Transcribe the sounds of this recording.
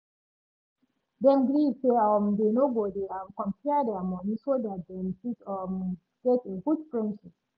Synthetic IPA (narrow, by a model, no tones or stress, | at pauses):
dɛ̃nɡliseɔmdenobɔdiãmkɔ̃mpʰɛdɛamɔ̃nisodat̚dɛ̃msitɔm | ɡ̥ɛteɡudfɹɛ̃ndʃip̚